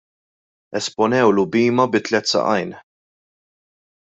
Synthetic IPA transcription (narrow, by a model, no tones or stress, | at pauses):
ɛspɔnɛwlʊbiːmɐbɪt̪ːlɛt̪ːsɐ̰ʔɐjn